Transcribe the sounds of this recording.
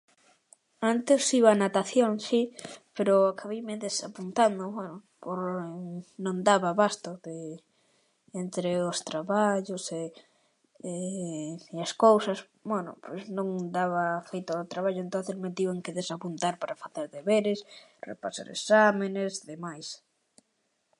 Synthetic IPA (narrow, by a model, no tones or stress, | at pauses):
ant̪ɪsiβanat̪aθjoŋsipeɾʊakaβejmeðesapunt̪and̪ʊβwɛnʊ | poɾ | nõŋd̪aβaβast̪oðe | ent̪ɾeʊst̪ɾaβaʎʊse | e | easkowsɐs | bwɛnʊ̰pʰojsnõŋd̪aβafejt̪oot̪ɾaβaʎʊent̪õnθesmet̪iaŋkeðesapunt̪aɾpaɾafaθeɾðeβeɾɪsrḛpasa̰ɾḛsamenesðemajs